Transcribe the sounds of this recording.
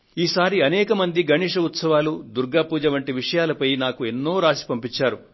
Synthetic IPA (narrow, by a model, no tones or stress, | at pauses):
iːsaːɾiɐnɛːkɐmɐnd̪iɡɐɳiːʂɐut̪sɐʋaːlud̪uɾɡaːpuːd͡ʒɐʋɐɳʈiʋiʂɐjaːlɐpɐjnaːkue̞nːoːɾaːsi̥pɐmpit͡ʃːaːɾu